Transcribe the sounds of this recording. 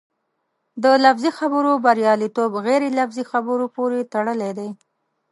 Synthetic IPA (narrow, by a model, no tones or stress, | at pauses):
d̪əlafzixabəɾobaɾjɑlit̪obɣeɾelafzixabəɾopoɾet̪aɽəled̪aj